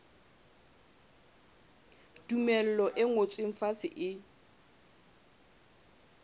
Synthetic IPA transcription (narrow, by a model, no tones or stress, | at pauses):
d̥umɛl̩lɔʔɪŋot͡sʼweɱ̩fasɪʔɪ